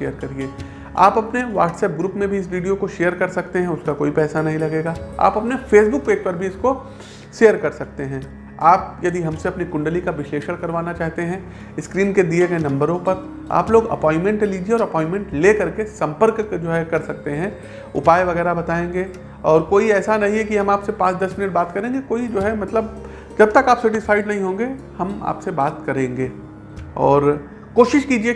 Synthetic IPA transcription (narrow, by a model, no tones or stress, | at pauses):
eːəɾkɐɾieː | a̰ːpɐpneʋa̰ːʈsɛːp̚ɡɾuːpmẽbʱiɪsʋiːɖijokoʃejəɾkɐɾsɐkt̪eɦɛ̃ʊskakoːipɛːsanɐɦĩlɐɡeːɡaːa̰ːpɐpnefeːsbʊk̚peːk̚pɐɾbʱiɪsko | ʃeːəɾkɐɾsɐk̚t̪eɦɛ̃ | aːp̚jɐd̪iɦɐ̃mseɐpnikʊ̃ɳɖəlikaʋɪʃleːʃəɾkɐɾʋaːnat͡ʃaːɦt̪eɦɛ̃ | ɪskɾiːnked̪ieɡɐenɐ̃mbəɾõpɐɾ | a̰ːploːɡɐ̰pɔ̃ːɪ̃nmɛ̃ɳʈeliːd͡ʒieɔːɾɐpɔːɪ̃nmɛ̃ɳʈleːkɐɾkesɐ̃mpəɾkd͡ʒoːɦɛkɐɾsɐk̚t̪eɦɛ̃ | ʊ̰paːjeʋɐɣɛːɾabɐt̪aːẽːŋɡe | ɔːɾkoːiɛːsanɐɦĩɦɛkiɦɐmaːpsepãːt͡ʃd̪ɐsmɪnəʈ̚baːt̪kɐɾẽːŋɡekoːid͡ʒoːɦɛmɐt̪ləb | d͡ʒɐb̚t̪ɐkaːpsɛʈ̬ɪsaːɪɖnɐɦĩɦõːŋɡe | hɐma̰ːpsebaːt̪kɐɾẽːŋɡeː | ɔːɾ | koːʃɪʃkiːd͡ʒie